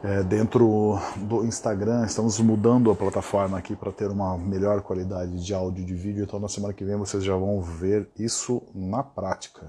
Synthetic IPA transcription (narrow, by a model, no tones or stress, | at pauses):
ɛd̪ẽnt̪ɾʊd̪ʊĩst̪aɡɾɐ̃ɪst̪ɐ̃mʊzmud̪ɐ̃nd̪ʊɐplat̪afɔɾmɐːkipɾɐt̪eɾũmɐmeʎɔɾkwalid̪ad͡ʒɪd͡ʒɪawd͡ʒʊd͡ʒɪvid͡ʒʊẽnt̪ɐ̃w̃nɐsemɐ̃nɐkɪvẽj̃vosezʒavɐ̃w̃veɾisʊnɐpɾat͡ʃi̥kʰɐ